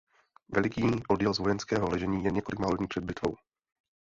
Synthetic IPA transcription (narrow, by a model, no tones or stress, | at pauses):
vɛlɪkiːʔodjɛlzvo̞jɛnskɛːɦolɛʒɛɲiːjɛɲɛkolɪkmaːlodɲiːpr̥ɛd̪̚bɪt̪vo̞w